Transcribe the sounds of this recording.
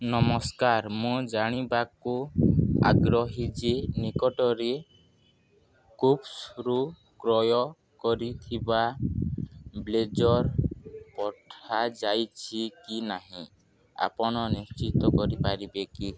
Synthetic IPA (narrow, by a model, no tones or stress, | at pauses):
nɔmɔskaɾmũd͡ʒaɽ̃ibakua̰ɡɾɔɦid͡ʒenikɔʈɔɾe | kupsɾu | kɾɔjɔ | kɔɾit̪ʰiba | bled͡ʒɔɾpɔʈʰad͡ʒajt͡ʃʰikinaɦĩ | a̰pɔɽ̃ɔnist͡ʃit̪ɔkɔɾipaɾibeki